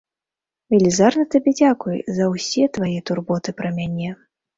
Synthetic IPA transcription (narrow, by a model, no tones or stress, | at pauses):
vʲɛlʲizarnɐt̪abʲɛd͡zʲakujzɐwsʲɛt̪vajɛt̪urbɔt̪ɨpɾɐmʲanʲɛ